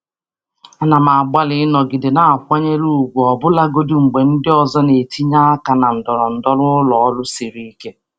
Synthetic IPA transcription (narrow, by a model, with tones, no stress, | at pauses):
a˨na˨ma˨ɡ͡ba˦lɪ˦nɔ˨ɡɪ˨dɪ˨na˨a˨kʷa˦ɲe˦lu˦˨ɡʷu˨ɔ˨bʊ˦la˦ɡo˦dʊ˦ŋ͡m̩˨ɡ͡be˨n̩˦dɪ˦ɔ˨zɔ˦ne˨ti˦ɲa˦ka˨na˨n̩˨dɔ˨ɾɔ˨n̩˨dɔ˦lʊ˦ʊ˦lɔ˨ɔ˦lʊ˦si˨ɾi˦i˦ke˦